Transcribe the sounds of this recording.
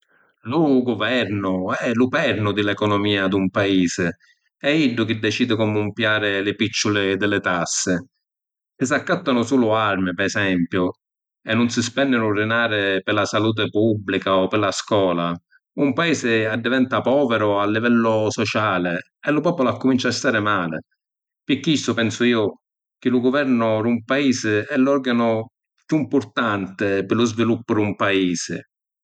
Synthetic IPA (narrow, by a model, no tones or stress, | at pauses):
lʊɡʊvɛɾnʊɛlʊpɛɾnʊd̪ɪlɛkɔnɔmiːad̪umpaiːzɪ | ɛiɖːʊk̟ɪd̪ːɛt͡ʃiːd̪ɪkɔmʊmpjaːɾɪlɪpit͡ʃːʊlɪd̪ɪlɪt̪asːɪ | sɪsakːat̪ːanʊsuːlʊarmɪpɛɛsɛmpjʊ | ɛnːʊnsɪspɛnːɪnʊrɪnaːɾɪpɪlasaluːt̪̬ɪpubːlikaɔpɪlːaskwɔːla | umpaiːsɪad̪ːivɛnt̪apɔːvɛɾʊalːivɛlːʊsɔt͡ʃaːlɪ | ɛlːʊpɔːpʊlʊakːʊmint͡ʃast̪aːɾɪmaːlɪ̰ | pɪkːist̪ʊpɛnsʊiːʊ | k̟ɪlʊɡʊvɛɾnʊɾumpaiːsɪɛlːɔrɡanʊ | pjuimpʊɾt̪ant̪ɪpɪlːʊzvilupːʊɾɪumpaiːsɪ̰